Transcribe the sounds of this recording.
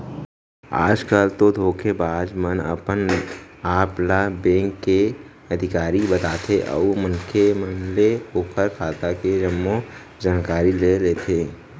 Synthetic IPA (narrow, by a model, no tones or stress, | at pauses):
a̰ːd͡ʒkaːlt̪od̪ʱoːkʰebaːd͡ʒmənə̰pən | aːplabẽːŋkːe | ɐd̪ʱɪkaːɾibət̪aːt̪ʰeʔə̰umənkʰemənleoːkʰəɾkʰaːt̪aked͡ʒəmːo | d͡ʒaːnkaːɾileleːt̪ʰeː